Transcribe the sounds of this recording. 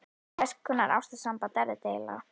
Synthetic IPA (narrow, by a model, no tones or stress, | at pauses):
ɛskkʰːʏnːaɾa̰wst̪ḁsampat̪ɛɾɪt̪ejla̰